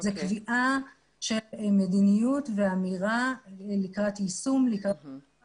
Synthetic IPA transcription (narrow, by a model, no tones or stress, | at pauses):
zekviʔa | ʃelmedinijutveamiʁalikʁatisumlikʁa